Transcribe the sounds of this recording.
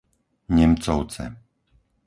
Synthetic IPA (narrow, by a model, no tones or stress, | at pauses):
ɲɛmt͡sɔʊt͡sɛ̰